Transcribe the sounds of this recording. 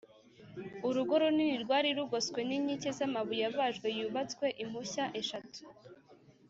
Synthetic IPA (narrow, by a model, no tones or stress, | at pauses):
uɾuɡo̞ɾoniniɾɡwaːɾiɾuɡoskwe̞niɲicezamaβujaβaʒɡwe̞juːβat͡skwe̞ʔim̥huçaʔe̞ʃatu̥